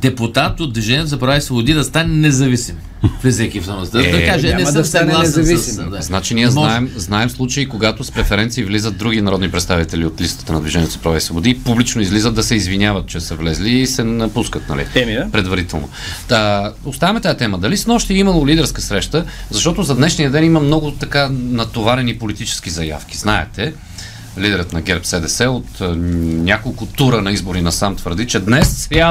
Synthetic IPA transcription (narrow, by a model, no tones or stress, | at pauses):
d̪ɛput̪at̪ot̪̚d̪viʒɛnʲiət̪ozɐpɾɐvaisvobʊd̪id̪ɐst̪anɛnɛzɐvisim | fɛzɛkʲifamɐkaʒɛɛsɐanɛzɐvissid̪aznat͡ʃiniəznaɛmznaɛmslˠut͡ʃəikoɡat̪ospɾɛfɛɾɛnt̪siːvlizət̪̚d̪ɾuɡinɐɾɔd̪nipɾɛt̪st̪avit̪ɛliot̪list̪ə̥t̪ənɐd̪vʲiʒɛnʲiɛt̪ozɐpɾɐvaisvobod̪iːpublit͡ʃnoizlizət̪ːɐsɛizvinʲjavət̪̚t͡ʃɛsəvlɛzliːsɛnɐpuskət̪nɐ̰lḭɛpɾɛd̪vɐɾit̪ɛlˠno̰ | ost̪avəmɛt̪ajat̪ɛməd̪ɐlismɔʃt̪ɛimɐlˠolid̪ɛɾskəsɾɛʃt̪əzɐʃt̪ɔt̪ozɐd̪nɛʃnijəd̪ɛniməmnɔɡʊt̪ɐkanɐt̪ovaɾɛnipolit̪it͡ʃɛ̥sk̟izɐja̰fk̟ʲiznaɛt̪ɛ | lid̪ɛɾət̪nɐɡʲɛɾpsɛd̪ɛsɛot̪nʲakolˠkʊt̪uɾənɐizboɾinɐsamt̪vəɾd̪it͡ʃɛd̪nɛsa